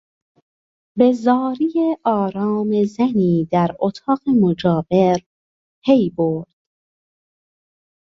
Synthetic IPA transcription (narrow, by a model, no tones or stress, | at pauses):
be̞zɒːɾijeʔɒːɾɒːme̞zæniːd̪æɾot̪ʰɒːɣemod͡ʒɒːbeɾ | pʰejboɾd̪̥